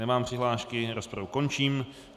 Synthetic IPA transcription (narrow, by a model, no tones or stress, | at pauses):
ɛmaːmpr̥ɪɦlaːʃkɪɾospɾavuko̞nt͡ʃiːm